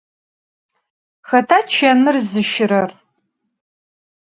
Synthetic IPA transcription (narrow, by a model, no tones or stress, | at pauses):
xɐtʰaːt͡ʃʰɐnɨrzɨʃɪɾɐr